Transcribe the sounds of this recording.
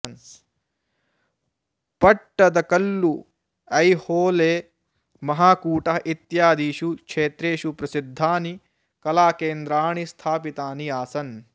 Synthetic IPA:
ɐns | pɐʈːɐd̪ɐkɐlːu | ɐjhoːleː | mɐɦaːkuːʈɐɦit̪jaːd̪iːʃukʂeːt̪ɾeːʃupɾɐsid̪ʱːaːni | kɐlaːkeːnd̪ɾaːɳist̪ʰaːpit̪aːniaːsɐn

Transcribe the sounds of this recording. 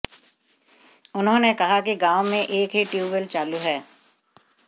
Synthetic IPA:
ʊnɦõːnekɐɦakiɡaːʊmẽʔeːkɦiʈjuːʋəlt͡ʃaːluɦɛː

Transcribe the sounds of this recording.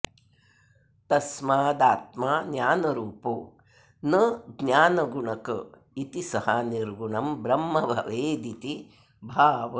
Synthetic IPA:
t̪ɐsmaːd̪aːt̪̚maːnjaːnɐɾuːpu | nɐɡnjaːnɐɡuɳɐkɐ | it̪isɐhɐniɾɡuɳɐmbɾɐmːɐbʱɐ̰ʋeːd̪it̪i | bʱaːʋɐ

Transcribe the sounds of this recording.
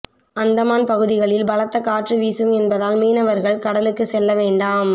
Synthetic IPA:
ɐnd̪ɐmaːnpɐɣɯðɪɣɐɭɪlbɐlɐt̪ːɐkaːʈrɯʋiːsɯmɛnbɐðaːlmiːnɐʋɐɾɣɐɭkɐɽɐlɯkːɯsɛlːɐʋeːɳɖaːm

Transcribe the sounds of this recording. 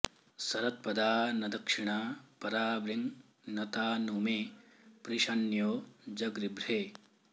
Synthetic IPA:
sɐɾɐt̪̚pɐd̪aːnɐd̪ɐkʂiɳaːpɐɾaːbɾiŋ | nɐt̪aːnuːmeː | pɾiʃɐnjoːd͡ʒɐɡɾibɾeː

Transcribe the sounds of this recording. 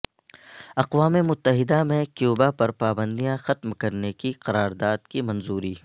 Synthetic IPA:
ɐqwaːmemʊt̪ːəɦɪd̪amẽkjuːbapɐɾpaːbə̃nd̪ijãxɐt̪mkɐɾnekiqɐɾaːɾd̪aːd̪kimɐ̃nzuːɾiː

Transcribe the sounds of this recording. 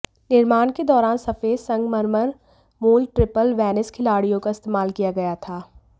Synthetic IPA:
nɪɾmaːnked̪ɔːɾaːnsɐfeːsɐ̃ŋɡməɾməɾ | moːlʈɾɪpəlʋɛːnɪskʰɪlaːɽijõkaɪst̪eːmaːlkijaɡɐjat̪ʰaː

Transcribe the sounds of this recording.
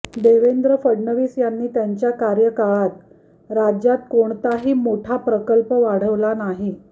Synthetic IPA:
d̪eʋend̪ɾəfəɽɳəʋiːsjanːiːt̪jaɲt͡ɕjakaɾjəkaɭat̪̚ | ɾad͡ʑjat̪koɳt̪aɦiːmoʈʰapɾəkəlpəʋaɽ̤əʋlanaɦi

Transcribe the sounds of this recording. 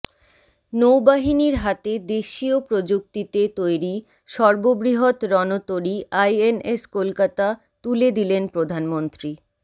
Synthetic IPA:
nowbaɦiniɾɦat̪ed̪eʃiopɾod͡ʑuk̚t̪it̪et̪ojɾi | ʃɔɾbobɾiɦot̪ɾɔnot̪oɾiʔajeneskolkat̪a | t̪uled̪ilenpɾod̪ʱanmont̪ɾi

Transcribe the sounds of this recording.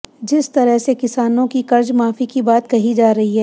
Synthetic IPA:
d͡ʒɪst̪ɐɾəɦsekɪsaːnõkikɐɾd͡ʒmaːfikibaːt̪̚kɐɦid͡ʒaːɾɐɦiɦɛː

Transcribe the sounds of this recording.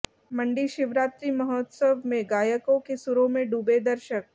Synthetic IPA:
məɳɖiʃɪʋɾaːt̪ɾimɐɦɔt̪səʋmẽɡaːjəkõkesuɾõmẽɖuːbed̪əɾʃək̚

